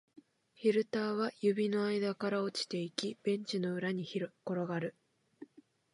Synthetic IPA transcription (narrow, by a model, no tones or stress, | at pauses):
çiɾɯ̟t̪aːβ̞ajɯ̟bʲino̞aid̪akaɾao̞t͡ɕi̥t̪e̞ikʲib̥ẽ̞ɲt͡ɕino̞ɯ̟ɾaɲ̟iko̞ɾo̞ɡaɾɯ̟